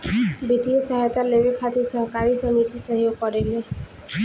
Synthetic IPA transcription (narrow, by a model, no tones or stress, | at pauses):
bit̪iɔt͡ʃaɦɛt̪aleʋekʰat̪isɔɦɔkaɾisɔmit̪isʌɦjoɡ̚pɔɾele